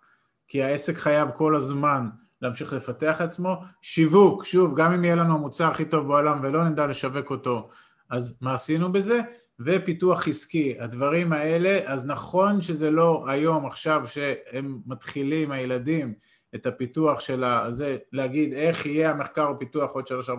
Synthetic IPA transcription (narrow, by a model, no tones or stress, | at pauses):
kiae̞se̞kχajavko̞lazman | leːmʃiχle̞fate̞aχat͡smo̞ʃivukʃuvɡamimijelanuamut͡saʁaχito̞vbeolamve̞lo̞nend̪ale̞ʃave̞ko̞to̞ | ʔazmaːsinube̞ze̞ | ve̞pituaχiskiad̪vaʁimae̞le̞ʔaznaχo̞nʃe̞ze̞lo̞ajo̞maχʃavʃe̞emːat̪χilimajeladim | etapituaχʃe̞laze̞leaɡid̪e̞χije̞ameχkaʁopituaχod̪ʃelaʃa